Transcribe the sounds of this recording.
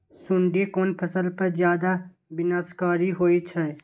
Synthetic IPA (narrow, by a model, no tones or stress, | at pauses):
sʊ̃ɳɖekoːnpʰɐsəlpɐɾzjaːd̪a | bɪnaːskaːɾiɦoːit͡ʃʰɛ